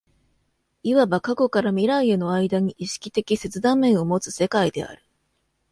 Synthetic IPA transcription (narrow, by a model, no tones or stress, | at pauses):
iβabakako̞kaɾamʲiɾaiɯno̞aid̪aɲ̟iʔiɕi̥kʲi̥t̪e̞kʲise̞t͡sɨd̪ãmːẽ̞ɰ̃o̞mo̞t͡sɨ̥se̞kaid̪e̞̰a̰ɾɯ̟̥